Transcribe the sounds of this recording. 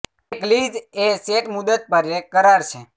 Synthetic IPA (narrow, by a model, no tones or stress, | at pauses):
eklid͡ʒeseʈmud̪ət̪̚pəɾekəɾaɾt͡ʃʰe